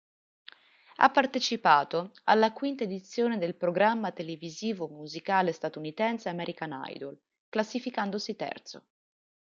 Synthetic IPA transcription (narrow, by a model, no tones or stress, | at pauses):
a̰pːart̪et͡ʃipaːt̪oa̰lːakwint̪aed̪it̪sːjoːned̪elpɾoɡɾamːat̪eleviziːvomuzikaːlest̪at̪unit̪ɛnseamɛɾʔikana̰jd̪ol | klasːifikand̪osit̪ɛ̰rt̪so